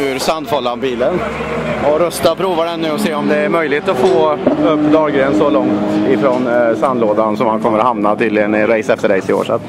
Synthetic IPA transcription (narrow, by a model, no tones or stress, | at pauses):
ʉɾsand̪fɔlːanbiːlən | ɔɾœst̪apʰɾuːvad̪ɛnːʉ̟ːɔseːɔmd̪ɛæɾmœjlɪɡt̪ɔfoːɵpːd̪ɑːɡɡɾɛːnsɔlɔŋt̪ɪfɾɔnsand̪loːd̪ansɔmhankʰɔmːəɾɔhamnat̪yːd̪lɪɡənɪnɾɛjsɛft̪əɾɛjsɪo̰ːʂa̰t̪ː